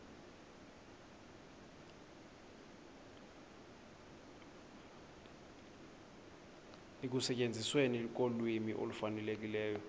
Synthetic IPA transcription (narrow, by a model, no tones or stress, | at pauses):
ek̬usɛcʼend͡zʱiswenilik̬olwimiʔo̰lufanɛlek̬ilɛːjɔ